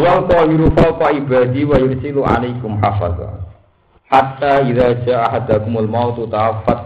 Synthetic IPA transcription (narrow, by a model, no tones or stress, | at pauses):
wawkɔjuɾufawkaʔibad̪iwajʊɾsiluʔa̰lajkʊmħafa̰ða̰ | ħat̪ːaʔiðad͡ʒaʔaħad̪akʊmalmawt̪ut̪aafat̪̚